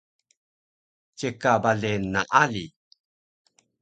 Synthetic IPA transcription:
t͡ɕekabaɮenaʔali

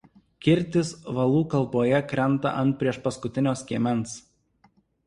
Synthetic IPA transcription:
kʲɪɾʲˑt̪ʲɪsʋɐlˠuːkɐlˠˑboːjɛkɾʲɛnˑt̪ɐ̰ʔɐnt̪̚pʲɾʲiɛʃpɐskʊt̪ʲɪnʲoːsʲkʲiɛmʲɛnˑs

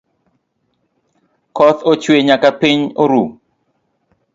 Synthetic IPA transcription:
kɔt̪ot͡ʃweɲakapiɲoɾu

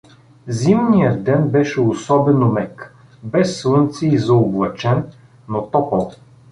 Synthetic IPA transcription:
zimnijəd̪̚ɛnbɛʃɛosɔbɛnomɛk | bɛsːlˠɤnt̪siːzɐoblˠɐt͡ʃɛnː | ot̪ɔpəlˠ

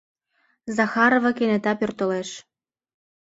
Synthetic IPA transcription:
zɑxɑɾovɤ̆kenĕt̪ɑpørt̪ə̆leʃ

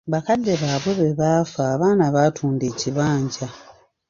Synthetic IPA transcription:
βakadːe̞βaːβweβe̞βaːfaːβaːnaβatʰuːnde̞ːciβaːɲɟa

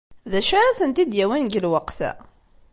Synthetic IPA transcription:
ðæʃaɾaθənt̪id̪jæwænɡəlwəqθæ̰

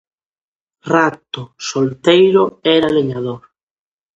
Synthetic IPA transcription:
rat̪ʊsolt̪ejɾʊɛɾaleɲaðoɾ

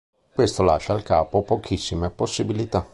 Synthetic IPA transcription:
kwest̪ola̰ːʃaːlkaːpopok̟ʰisːimeposːibilit̪a

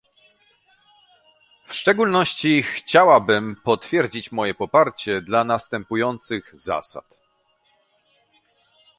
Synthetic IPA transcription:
fʂt͡ʂɛɡulnɔɕt͡ɕixt͡ɕawabɘmpɔt̪fʲjɛɾd͡ʑit͡ɕmɔjɛpɔpaɾt͡ɕɛd̪lanast̪ɛmpujɔnt̪sɘɣza̰sa̰t̪

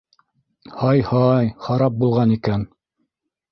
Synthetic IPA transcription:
hɑjhɑjχɑɾɑp̚bulˠʁɑnikæn

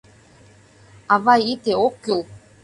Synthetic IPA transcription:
avajit̪eokːulˠ

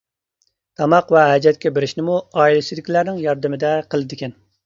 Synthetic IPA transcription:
t̪ʰɑmɑqvɛɦɛd͡ʒɛt̪̚kʲɛbeɾɪʃnɪmuɑːilɪsɪzd̪ɪkʲlæɾnɪŋjɑɾd̪ɨmɪd̪ɛqʰəlˠɨd̪ɪkʲɛn

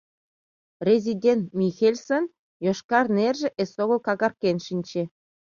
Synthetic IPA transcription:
rʲezʲidʲent̪mʲixelʲson | jŏʃkɑrnerʲʒĕʔesoɣɤ̆lˠkɑɣɑrkʲenʃinʲt͡ɕe

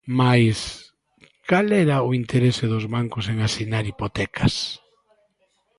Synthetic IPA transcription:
majs | kalɛɾɐʊint̪ʰeɾesɪðʊzβaŋkʊseŋasinaɾipot̪ɛkʰɐs

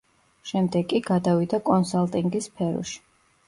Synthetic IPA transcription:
ʃɛmd̪ɛɡʼiɡad̪avid̪akʼɔnsalˠt̪ʼiŋɡispʰɛɾɔ̰ʃi̥

